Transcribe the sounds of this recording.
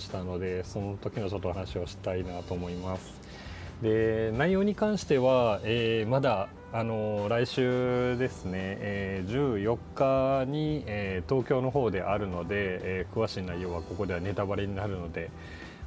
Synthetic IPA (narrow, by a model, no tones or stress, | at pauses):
ɕi̥t̪ano̞d̪e̞so̞not̪o̞kʲino̞t͡ɕo̞t̪ːo̞hanaɕio̞ɕi̥t̪ainat̪o̞ːmo̞imasɨ̥ | d̪e̞naijo̞ːɲ̟ikãɰ̃ɕi̥t̪e̞βaeːmad̪aː | no̞ɾaiɕɨːd̪e̞sɨne̞ːd͡ʑɨːjo̞kːaɲ̟ieːt̪o̞ːkʲo̞ːno̞ɦo̞ːd̪e̞ʔaɾɯ̟no̞d̪e̞ːkɯ̟βaɕiːnaijo̞ːβako̞ko̞d̪e̞βane̞t̪abaɾeɲ̟inaɾɯ̟no̞d̪e̞